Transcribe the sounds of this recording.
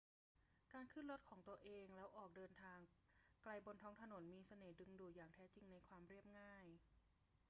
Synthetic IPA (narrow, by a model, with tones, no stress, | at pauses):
kaː˧nkʰɯ˥˩nɾo˦˥t̪̚kʰɔː˩˦ŋt̪u˧ɐəʔeː˧ŋlɛː˦˥wʔɔː˨˩k̚dɤː˧nt̪ʰaː˧ŋkla˧jbo˧nt̪ʰɔː˦˥ŋt̪ʰa˧no˩˦nmiː˧sa˧nɤː˩˦dɯ˧ŋduː˨˩jaː˨˩ŋt̪ʰɛː˦˥t͡ɕi˧ŋna˧jkʰwaː˧mɾi˥˩əp̚ŋaː˥˩j